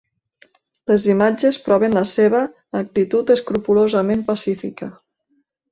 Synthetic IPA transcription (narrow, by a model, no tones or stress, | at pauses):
lezimad͡ʒespɾɔβ̞enləseβ̞əː | k̚t̪it̪ut̪əskɾupulozəmempasifikə